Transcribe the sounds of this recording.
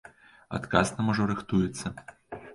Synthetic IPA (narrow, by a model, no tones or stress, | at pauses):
a̰t̪kasnɐmɔʐɐɾɨxt̪ujɛt̪sːɐ